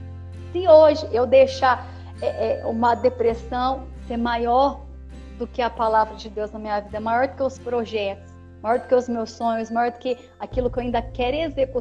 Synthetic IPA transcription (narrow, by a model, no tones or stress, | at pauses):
sĩoʒɪʔewd̪eʃa | ɛʔɛũmɐd̪epɾesɐ̃w̃seɾmajɔɾ | d̪ʊkɪɐpalavɾɐd͡ʒɪd̪ewznɐmĩɲɐvid̪ɐɛmajɔɾd̪ʊkeʊspɾoʒɛt̪ʊ̥s | majɔɾd̪ʊkeʊzmewsːõɲʊsmajɔɾd̪ʊkɪ | akilʊkɪewaĩnd̪ɐkɛɾezeku